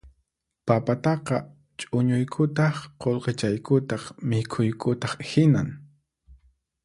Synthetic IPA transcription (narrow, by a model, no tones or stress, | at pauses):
papat̪ɑqɑ | t͡ʃʼʊɲʊjkʰʊt̪ɑχqolqet͡ʃajkʰʊt̪ɑχmɪkʰʊjkʰʊt̪ɑχhɪna̰ŋ